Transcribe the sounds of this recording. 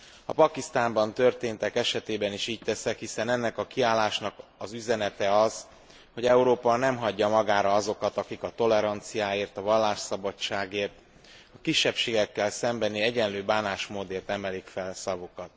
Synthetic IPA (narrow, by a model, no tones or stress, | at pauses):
ɒpɒkist̪aːmbɒnt̪ø̞rt̪eːnt̪ɛkɛʃɛt̪eːbɛniʃiːc̚t̪ɛsɛkhisɛnɛnːɛkɒkiaːlːaːʃnɒkɒzyzɛnɛt̪ɛɒz | ho̞ɟɛuɾoːpɒnɛmɦɒɟːɒmɒɡaːɾɒɒzo̞kɒt̪ɒkikɒt̪o̞lɛɾɒnt̪sijaːeːrt̪ɒvɒlːaːʃsɒbɒt͡ʃːaːɡeːrt̪ | ɒkiʃːɛpʃeːɡɛkːɛlsɛmbɛniɛɟɛnløːbaːnaːʃmoːd̪eːrt̪ɛmɛlikfɛlsɒvokɒt̪̚